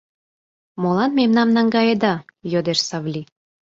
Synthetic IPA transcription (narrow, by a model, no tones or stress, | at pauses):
molɑnmemnɑmnɑŋɡɑjed̪ɑjod̪eʃsɑβlʲi